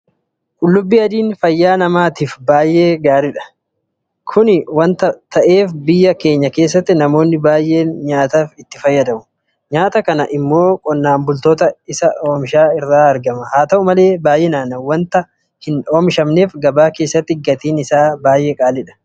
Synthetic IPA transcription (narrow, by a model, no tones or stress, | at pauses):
ʔʊlːʊbːiːɐd̪iːnfɐjːaːnɐmaːt̪iːfbaːjːe̞ːɡaːɾɪᶑɐ̥ | kʰʊnɪwɐnt̪ɐt̪ʰɐʔe̞ːfbɪjːɐke̞ːɲːɐke̞ːs̬ːɐt̪ːɪnɐmo̞ːnːɪbaːjʔːe̞ːnɲaːt̪aːfɪt̪ːɪ̥fɐjːɐd̪ɐmʊ | ɲaːt̪ɐkɐnɐʔɪmːo̞ːkʼɔnːaːmbʊlt̪o̞ːt̪ɐɪsɐoːmʃaːɪrːaːɐɾɡɐmɐhaːt̪ɐʔʊmɐle̞ːbaːjʔeːnaːnɐwɐnt̪ɐ | hɪnoːmʃɐmne̞ːfɡɐbaːke̞ːsːɐt̪ːɪɡːɐt̪iːnɪsaːbaːjʔe̞ːkʼaːlɪᶑɐ̥